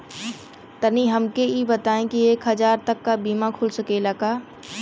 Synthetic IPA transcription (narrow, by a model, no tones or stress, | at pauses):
t̪əniɦɐmkeibɐt̪aːẽkieːkɦɐd͡ʒaːɾt̪ɐkːabiːmãkʰʊlsəkelakaː